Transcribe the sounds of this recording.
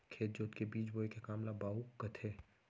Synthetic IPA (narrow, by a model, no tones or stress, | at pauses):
kʰeːt̪̚d͡ʒoːt̪kebiːt͡ʃboekekaːmlabaːɦukɐt̪ʰeː